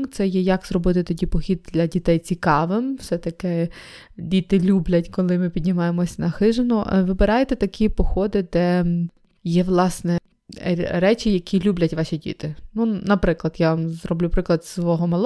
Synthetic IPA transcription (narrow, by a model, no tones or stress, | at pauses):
t̪sɛjɛjɐkzrɔbɪt̪ɪt̪ɔdʲipɔxʲid̪̚d̪lʲɐdʲit̪ɛjt͡sʲikɑʋɪmwsɛt̪ɐkɪ | dʲit̪ɪlʲublʲɐtʲkɔlˠɪmɪpʲidʲnʲɪmɑjemɔsʲnɐxɪʒenʊʋɪbɪɾɑjet̪ɛt̪ɐkʲʰipɔxɔd̪ɪd̪ɛ | jɛʋlˠɑsnɛ | ɾɛt͡ʃʲɪjɐkʲilʲublʲɐtʲʋɑʃʲidʲḭt̪ɪnunɐpɾɪklˠɐd̪jaʋɐmzrɔblʲupɾɪklˠɐd̪sʋɔɦɔmɐlˠ